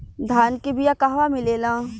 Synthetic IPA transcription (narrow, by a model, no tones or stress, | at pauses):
d̪ʱaːnkebijakaɦʋamɪleːlãː